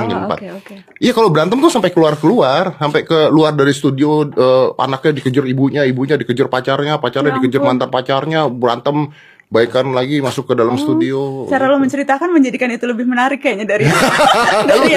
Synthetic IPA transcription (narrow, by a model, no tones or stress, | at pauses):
ŋɲa̰əmpa̰t̪̚ | ijakalobəɾant̪əmt̪ʊsampɛkəluarkəluarsampɛkəluardaɾist̪udioəa̰nak̚ɲadikəd͡ʒʊribuɲaibuɲadikəd͡ʒʊrpat͡ʃarɲapat͡ʃarɲadikəd͡ʒʊrmant̪anpat͡ʃarɲabəɾant̪əm | baikanlaɡimasʊkːədalamsət̪udiot͡ʃaɾaloməɲt͡ʃəɾit̪akanməɲd͡ʒadikanit̪uləbɪhmənaɾɪkːajaɲadaɾi | a